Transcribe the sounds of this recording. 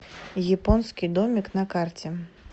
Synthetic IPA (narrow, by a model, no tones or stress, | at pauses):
jɛpɔnskʲid̪ɔmʲiknɐkart͡sʲɛ